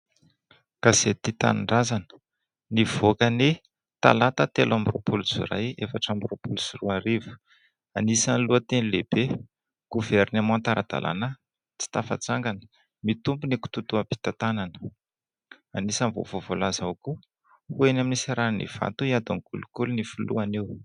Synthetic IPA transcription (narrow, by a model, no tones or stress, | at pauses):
kaz̥et̪it̪a̰nɳɖ͡ʐazanə̥ | nivokəne | t̪a̰lat̪ət̪elambro̰puluzṵɾa̰jefaʈ͡ʂambiropuluzuruaɾivu̥ | anisanluət̪enileb̥e | ɡ̥uvernemõant̪aɾʔa̰d̪̥a̰lʔa̰na | t͡si̥t̪afa̰t͡saŋɡanə̥ | mit̪umbuniku̥t̪ut̪uapi̥t̪at̪ananə̥ | anisanvo̰vovolazaku | huenaminisaɾannḭv̥a̰t̪uiad̪uŋkulukulunifulṵanew